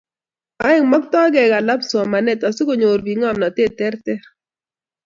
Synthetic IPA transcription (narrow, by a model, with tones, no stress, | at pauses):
a˦ɛ˦ŋmɔ˦k̚t̪ɔ˦ɡɛ˨ɡa˨la˦bsɔ˨ma˨nɛ˦˨t̪ɔ˨sɪ˦ko˨ɲo˨ɾbi˨ŋɔ˦˨mnɔ˨te˦˨tɛ˦rtɛ˦ɾ